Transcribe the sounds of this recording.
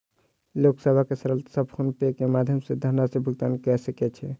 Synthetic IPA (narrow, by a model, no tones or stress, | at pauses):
loksəbʱakesəɾəlt̪səbkʰunpekemad̪ʱjəmsed̪ʱənasebʱuɡ̚t̪ankɛsəkɛt͡ʃʰɛ